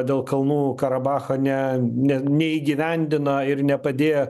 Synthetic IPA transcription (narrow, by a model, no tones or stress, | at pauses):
d̪ʲeːlˠkɐlˠnuːkɐɾɐbɑːxɐnʲɛnʲɛnʲɛiːɡʲiʋʲɛnʲd̪ʲɪnɐɪɾnʲɛpɐd̪ʲeːjɛ